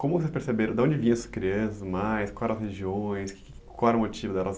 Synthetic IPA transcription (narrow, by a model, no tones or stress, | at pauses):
kõmʊvos̬espeɾsebeɾɐ̃d̪ɐõnd͡ʒɪvĩɲ̃ɐ̃suɐskɾiɐ̃sɐzmajskwawɛɾɐsheʒiõj̃skɪ̥ | kawɛɾɐ̃mot͡ʃivʊd̪ɛlɐ